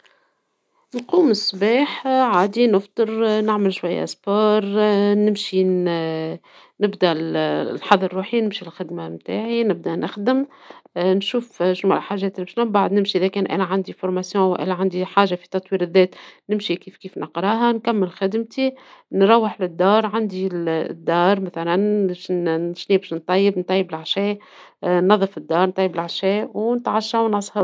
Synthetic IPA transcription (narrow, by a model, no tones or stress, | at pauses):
nquːmɪsbaːħʕaːd̪inəft̪ˤɨɾnɪʕmɪlʃwajːæ̰spoːɾˤnɪmʃi | nɪbd̪ɛnħɑðˤːɑɾˤːuːħinɪmʃilxɪd̪mamt̪a̰ːʕinɪb̚d̪ænɪxd̪ɪm | nʃuːfʃnmɛ̰llħaːʒɛːt̪ɪlibɪʃnæmbaʕd̪nɪmʃiʔɪðɛkɛːnʔæ̰ːlæʕand̪ifʊɾmasjɔ̃wʔæ̰lːæʕand̪iħaːʒafi̥t̪ɑt̪ˤwiːɾɪðːɛːt̪nɪmʃikiːfkiːfnʔɪqɾˤɑːɦankæmːɪlxɪd̪mt̪inɾˤɑwːɪħlɪd̪ːɑːɾˤʕand̪id̪ːɑːɾˤmæθælænʃʃniːbæʃnt̪ˤɑjːɪbnt̪ˤɑjːɪbɪlʕaʃɛː | nɑðˤːəfɪd̪ːɑːɾˤnt̪ˤɑjːɪbɪlʕaʃɛːwnɪt̪ʕaʃːawnɑsˤhɑɾ